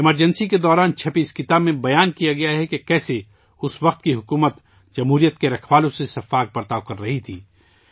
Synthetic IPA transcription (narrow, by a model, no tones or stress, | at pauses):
ɪməɾd͡ʒɛnsiked̪ɔːɾaːnt͡ʃʰɐpiɪskɪt̪aːbmẽbɐjaːnkijaɡɐjaɦɛkekɛːse | ʊsʋɐqt̪̚kiɦʊkuːmət̪ | d͡ʒɐmɦuːɾijət̪̚keɾɐkʰʋaːlõsesɐfaːk̚pɐɾt̪aːkɐɾːɐɦit̪ʰiː